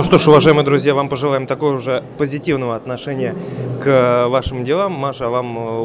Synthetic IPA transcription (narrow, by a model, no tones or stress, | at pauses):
oʂt̪o̞ʂʊvɐʐajɪmɨjəd̪ɾʊzʲjavampəʐɨlˠajɪmt̪ɐko̞jəʊʐɛpəzʲɪtʲivnəvəɐt̪nɐʂɛnʲɪjəkvaʂɨmdʲɪlˠamːaʂɐvam